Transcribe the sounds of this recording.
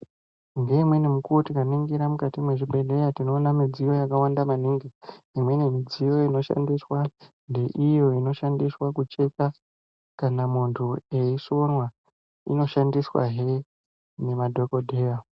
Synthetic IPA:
ŋɡe̞imwe̞nemukuotikaniŋɡiɾamukatimweʐibʱe̞le̞jatino̞ːnamid͡zijo̞jakawandamaniːŋɡi | imwe̞nemid͡zijo̞ino̞ʃa̰ndiswa | nde̞ʔijo̞ino̞ʃandiswakut͡ʃe̞ka | kanamuntʰue̞iʂo̞nwa | ḭno̞ʃandiswa̰ɦe | nemadʱo̞kodʱe̞ːja

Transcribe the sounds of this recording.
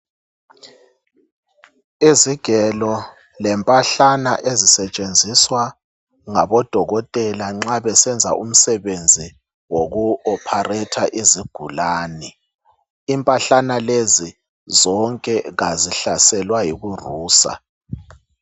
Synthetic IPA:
iziɡ̥ʱɛlɔ | lɛmpʼaɬana̰ʔezisɛt͡ʃʼend͡zʱiswa | ŋaβɔd̥ʱɔɣɔtʼɛlaŋ͡ǁaβɛsɛnd͡zʱa̰ʔum̩sɛβend͡zʱi | woɣuɔpʰarɛtʰaʔiziɡ̥ʱulaːnɛ | impʼaɬanalezi | zɔŋkʼɛɣaziɬasɛlwajiɣuruːsa̰

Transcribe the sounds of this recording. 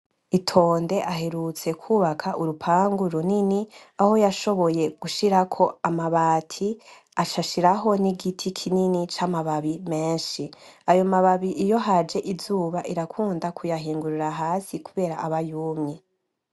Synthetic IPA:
itʰo̞ːnde̞ʔaɦe̞ɾut͡se̞kʰuːβakʰaʔuɾupʰaːŋɡuɾuniniaho̞jaʃo̞βo̞je̞ɡ̥uʃiɾakʰo̞amaβaːtʰi | at͡ʃaʃiɾaɦo̞niɡitʰikʰininit͡ʃamaβaβimeːnʃiajo̞maβaβiʔijo̞ɦad͡ʒe̞ʔizuːβaʔiɾakʰuːndakʰujaɦiːŋɡuɾuɾaɦaːsikuβe̞ːɾaʔaβajuːmɲe

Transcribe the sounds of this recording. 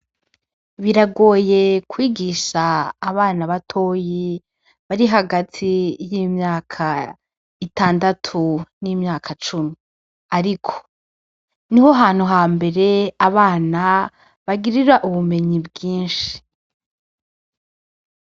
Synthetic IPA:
βiɾaɡo̞ːje̞kwiːɡiʃaːβaːnaβatʰo̞ːji | βaɾiɦaɡatʰijiːmɲaːkʰa | itaːndatʰuniːmɲaːkʰat͡ʃumi | aɾikʰo̥ | niho̞ɦaːn̥huɦaːmbe̞ɾe̞aβaːna | βaɡiɾiɾaʔuβume̞ɲibɡiːnʃi̥

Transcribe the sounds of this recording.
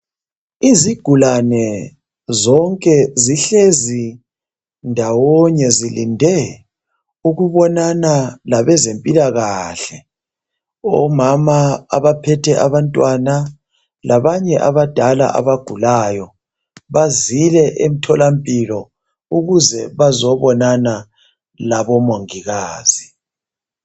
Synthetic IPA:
iziɡ̥ʱulanɛ | zɔŋkʼɛziɬezi | ndʱawɔɲɛzilindʱɛ | uɣuβɔnanalaβɛzempʼilaɣaɬɛ | ɔ̰mama̰ːβapʰɛtʰɛʔaβantʼwana | lʔaβaɲɛʔaβad̥ʱala̰ʔa̰βaɡ̥ʱulajɔ | βazilɛʔem̩tʰɔlampʼilɔ | uɣuzɛβazɔβɔnana | laβɔmoŋiɣaːz̥i

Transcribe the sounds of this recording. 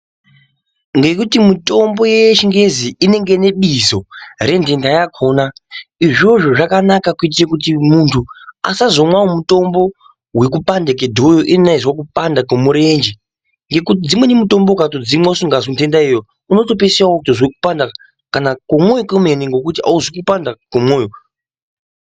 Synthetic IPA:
ŋɡe̞kutimuto̞mbo̞jeʃiŋɡe̞ziːne̞ŋɡene̞ɓizo̞re̞ntʰe̞ndajakʰonaiʐo̞ʐoʐakanakakuit̬irakut̬imuntʰua̰sazo̞mwaomuto̞mbo̞ | wek̬upandek̬edʱojoʔinenaizwakupandakemuɾe̞nd͡ʒe | ŋɡe̞kut̬id͡zimwe̞nimuto̞mbo̞ukatod͡zimwasuŋɡazontʰe̞ndaejo | uno̞to̞p̬esiaokutozwekupanda | kanakomojokomeniŋɡo̞kutia̰uzwikupandakemoːjo

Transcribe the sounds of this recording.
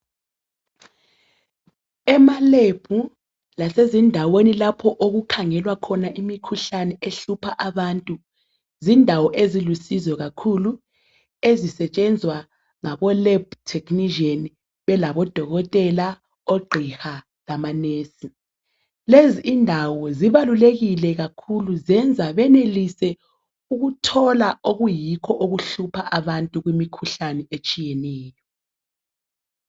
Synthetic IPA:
ɛmaleb̥ʱu | lasezindʱawenilapʰɔʔoɣukʰaŋɛlwakʰɔnaʔimikʰuɬanɛʔeɬupʰaʔaβantʼu | zindʱawɔʔezilusizɔɣakʰulu | ezisɛt͡ʃʼɛnd͡zʱwa | ŋaβɔlɛbtʰek̬ʼniʒiɔn | βɛlaβɔd̥ʱɔɣɔtʼɛla | oɡ͡ǃʱixa | lamaneːsi | leziʔːndʱawɔziβaluleɣilɛɣakʰuluzɛnd͡zʱaβɛnelisɛ | uɣutʰɔlaoɣujikʰɔʔoɣuɬupʰaʔaβantʼuɣwimikʰuɬanɛet͡ʃʼijɛnɛːjɔ

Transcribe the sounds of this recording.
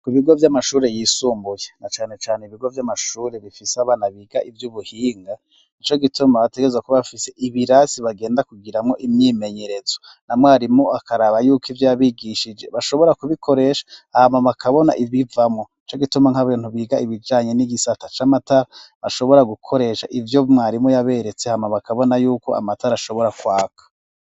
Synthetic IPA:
kiβiɡo̞vjamaʃuːɾe̞jiːsuːmbujenat͡ʃaːne̞t͡ʃaːneiβiɡo̞vjamaʃuːɾe̞βifiseaβaːnaβiːɡ̥aʔivjuβuhiːŋɡa | it͡ʃo̞ɡitumaβate̞ɡeezwakoβafise̞ʔiβiɾasiβaɡe̞ːndakuɡiɾamŋo̞ʔimɲiːme̞ɲeɾe̞zo̞ | namŋoaɾimoakaɾaβajuːkivjaːβiɡiʃid͡ʒe̞βaʃo̞βo̞ɾakuβikʰo̞ɾe̞ːʃḁhamaβakʰaβo̞na̰ʔiβivamŋoit͡ʃo̞ɡitumaŋ̥haβiːnhuβiːɡaiβid͡ʒaːɲe̞niɡisatḁt͡ʃamataɾaβaʃo̞βo̞ɾaɡukʰo̞ɾe̞ʃa̰ʔivjomŋaːɾimojaβe̞ɾet͡sehamaβakaβo̞najuːko̞̰a̰matʰaɾaʃo̞βo̞ɾakwaːkʰḁ

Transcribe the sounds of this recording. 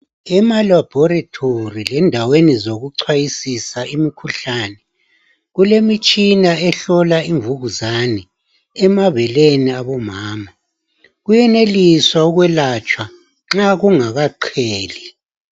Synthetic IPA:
ɛmalab̥ʱɔratʰorilɛndʱawenizoɣuǀʰwajisisaʔimikʰuɬanɛ | ɣulemit͡ʃʼinaɛɬɔlaiɱvuɣuzanɛ | ɛmaβɛleniaβɔmaːma | ɣujɛneliswauɣwɛlat͡ʃʼwa | ŋ͡ǁaɣuŋaɣaǃʰeːli

